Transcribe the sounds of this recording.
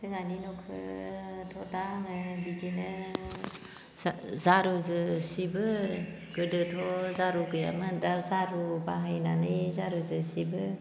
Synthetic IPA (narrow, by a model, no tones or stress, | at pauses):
sɯɡaninɔkʰɯtʰɔtaŋɯbidinɯ | zaɾuzɯsibɯ | ɡ̥ɯdɯtʰɔzaɾuɡɯja̰mɯdazaɾubaɦajnanɯjzaɾuzɯsibɯ